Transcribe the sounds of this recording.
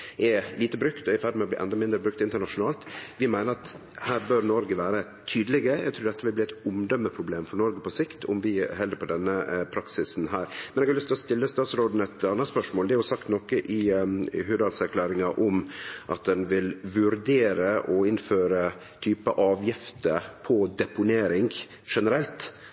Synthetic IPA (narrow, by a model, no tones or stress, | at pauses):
ɛliːt̪əbɾʉkt̪ɔæɾfæɖɪmɛɔbliːʔɛ̰nd̪ɑmɪnd̪ɾəbɾʉk̚t̪ɪnt̪əɳɑʂʊnɑːlt̪ʋɪmæɪnəɾɑt̪ | hæːɾbøɾnɔɾɡəʋæːɾə | t̪ʰːyːd̪əlɪɡəjæ̰ɡt̪ʰuːɖ̪ɛt̪ːəʋɪlb̪iːæt̪ʊmd̪œmːəpʰɾʊbleːmfɔɾɳɔɾɡəpʰɔsɪkt̪ʰɔ̰mʋɪɦɛld̪əɾpʰɔd̪ɛnːəpʰɾɑksɪsn̩ɦæːɾmɛnɛɡhɑlʏst̪ʰlɔst̪ɪlːəst̪ɑːt̪sɾoːd̪n̩ɛt̪ɑnːət̪spœʂmoːld̪ɛɾjʊsɑkt̪nɔkːəʔɪɦʉːd̪ɑlsæɾkʰlæːɾɪŋɑʔɔmʔɑt̪̚d̪ɛnʋɪlʋʉɾd̪eːɾəʔɔɪnføːɾə | t̪ʰyːpəʔɑːʋjɪft̪əpʰɔd̪ɛpʊneːɾɪŋɡ | ʂɛnəɾɛlt̪